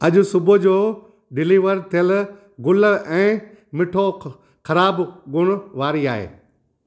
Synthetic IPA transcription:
ɐʄʊ̆sʊbŏd͡ʑoː | ɖɪliːʋəɾt̪ʰiɪjəl | ɡʊləɛ̃ː | mɪʈʰo | xɐɾaːbɡʊɽ̃ʊ̆ʋaːɾiaːɦḛː

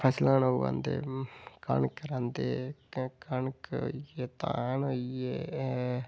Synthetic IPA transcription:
pʰəslãːnoʋã̰ːnd̪ḛːkə̰ɳkɾãːnd̪eːkənko̰ieːt̪ã̰noːieː

